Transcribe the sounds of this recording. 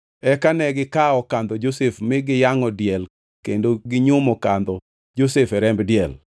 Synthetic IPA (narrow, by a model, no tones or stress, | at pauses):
ɛkanɛɡɪkaɔkand̪ɔd͡ʒosefmɪɡɪjaŋɔdjɛl | kendoɡɪɲʊmɔkand̪ɔ | d͡ʒosɛfɛɾɛmbdjɛl